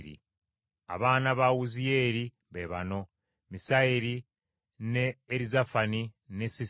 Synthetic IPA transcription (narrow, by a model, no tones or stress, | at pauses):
ɾḭ | a̰βaːnaβawuzije̞ːɾi | βeβa̰no̞ | misaiɾi | neːɾizafani | nesi